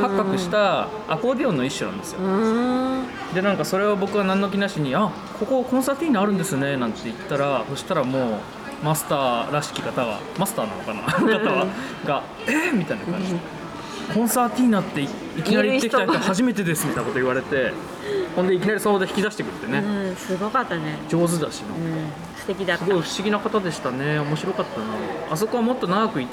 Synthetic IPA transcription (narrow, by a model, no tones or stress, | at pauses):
kakːakɯ̟ɕi̥t̪aː | ko̞ːbʲiõ̞nːoiɕːonã̰nd̪e̞sɨjo | d̪e̞nãŋkaso̞ɾe̞βabo̞kɯɡanãnːo̞k̬ʲinaɕiɲ̟ia | kʰo̞ko̞kõ̞ɰ̃sat̪ʲiːnaːɾɯ̟̃nd̪e̞sɨone̞nãnt̪ːe̞it̪ːaɾaso̞ɕi̥t̪aɾamo̞ː | masɨ̥t̪aːɾaɕi̥kʲikat̪aɡa̰ | masɨ̥t̪aːnã̰no̰kana̰kat̪aβa | ɡa | emʲit̪ainakkã̰ɲd͡ʑi | kʰõ̞ɰ̃sat̪ʲiːnat̪ːe̞ | ikʲinaɾʲit̪ːekʲit̪aahaʑime̞t̪e̞d̪e̞sɨ̥mʲit̪ainakot̪oiβaɾe̞t̪e̞ | hond̪e̞ikʲinaɾʲisaod̪e̞çi̥kʲid̪aɕi̥t̪e̞kɯ̟ɾɯ̥t̪ːe̞nesɨɡokat̪ːaned͡ʑo̞ːzɨd̪a̰ɕino | ft̪ekʲid̪asɨɡoiɸɯ̟̥ɕiɡʲinakat̪ad̪e̞ɕi̥t̪ane̞o̞mo̞ɕiɾo̞kat̪ːanaas̬o̞ko̞βamo̞t̪ːo̞naɡakɯ̟it̪ː